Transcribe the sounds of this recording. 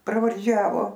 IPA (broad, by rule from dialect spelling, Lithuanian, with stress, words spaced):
prɐʋɐrʲˈd͡ʒʲæːʋoː